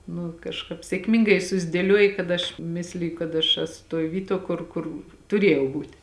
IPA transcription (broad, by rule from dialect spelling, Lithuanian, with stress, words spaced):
nʊ kɐʃˈkɑːp sʲeːkˈmʲɪŋɡɐɪ sʊzʲdʲeːˈlʲuɔjɪ kɐt ˈɐʃ ˈmʲɪsʲlʲɪjʊ kɐt ɐʃ ˈæːsʊ toːj ˈʋʲiːˌtuɔ ˈkʊr kʊr tʊˈrʲeːjɛʊ ˈbuːtʲ